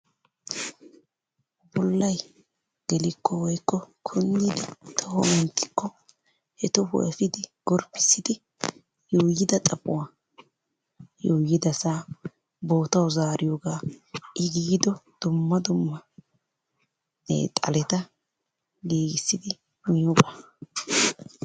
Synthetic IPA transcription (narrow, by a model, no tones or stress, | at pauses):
bɔlːɐj | ɡ̥ɛlɪkʰːɔwɔjkːɔkʰʊnːiːd̪ɪt̪ʰɔhɔmɛnt̪ːɪ̥kːɔ | hɛt̪ɔhʊ̰ʔɛfɪd̪ɪɡ̥ɔɾpːɪ̥sːɪd̪ɪ | joːjːɪd̪ɐt̪ʼɐpʼʊwaː | joːjːɪd̪ɐsaː | bo̞ːt̪ɐwzaːɾʔɪjoːɡaːʔɪɡiːd̪ɔd̪̥ʊmːɐd̪ʊmːɐ | t̪ʼɐ̰lɛt̪ɐ | ɡeːɡɪsːɪd̪ɪ | mɪjɔba